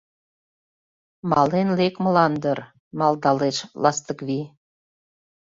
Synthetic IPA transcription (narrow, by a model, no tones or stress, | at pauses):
mɑlenlekməlɑnd̪ər | mɑld̪ɑleʃlɑst̪əkβi